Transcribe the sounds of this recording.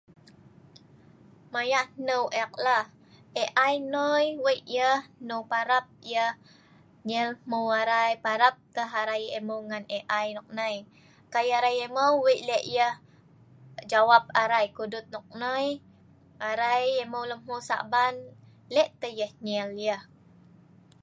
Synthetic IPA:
majaʔnəwʔɛk̚lah | ʔeʔajnojwəʔjəhnəwpaɾap̚jəh | ɲəlmuaɾajpaɾap̚t̪əɦaɾajeməwŋaneʔajnɔk̚nəj | kajaɾajeməwwəʔleʔjəh | d͡ʒawap̚aɾajkudʊt̪̚nɔk̚nəj | aɾajeməwləmusa̰ʔban | lɛʔt̪əjəhɲɛljəh

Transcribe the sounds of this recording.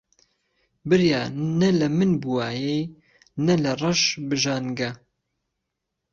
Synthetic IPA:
bɨɾjaːnɐlɐmɨnbuwaːjej | nɐlɐrˤɐʃbɨʒaːnɡɐ

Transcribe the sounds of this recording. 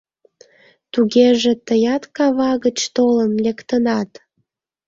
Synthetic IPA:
t̪uɣeʒĕt̪əjɑt̪kɑβɑɣət͡ɕt̪olənlekt̪ənɑt̪

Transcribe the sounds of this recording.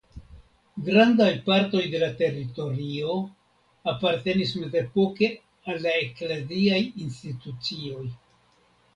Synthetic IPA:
ɡɾandajpaɾto̞jde̞late̞rito̞ɾio̞ | apaɾte̞nisme̞ze̞po̞ke̞ | alːaeklaziajinstitut͡sio̞j

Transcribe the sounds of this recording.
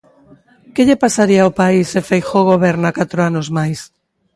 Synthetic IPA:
keʎepasaɾiaopaisefejxoɣoβeɾnakat̪ɾoanozmajs

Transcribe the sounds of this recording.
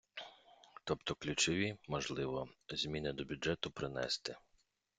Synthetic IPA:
t̪ɔpt̪ɔklʲut͡ʃɔʋʲimɔʒlˠɪʋɔzʲmʲinɪd̪ɔbʲʊd͡ʒɛt̪ʊpɾɪnɛ̰st̪ɪ

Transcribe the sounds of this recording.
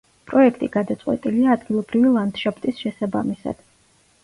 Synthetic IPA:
pʼɾɔɛkʰt̪ʼiɡad̪at̪sʼqʼwɛ̰t̪ʼiliaːd̪ɡilˠɔbɾivilˠand̪̥ʃapʰt̪ʼisʃɛsabamisa̰d̪̥

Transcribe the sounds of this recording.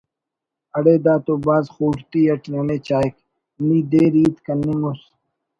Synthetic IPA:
ɐɽeːd̪aːt̪oːbaːzxuːʈt̪iːɐʈleːneːt͡ɕaːik | miːd̪eːɾiːt̪kɐnːiŋos

